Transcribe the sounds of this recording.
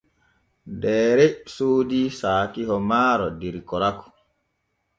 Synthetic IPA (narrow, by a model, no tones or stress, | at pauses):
dɛːɾɛsoːdisaːkiɦɔmaːɾɔdiɾikɔɾakɔ̥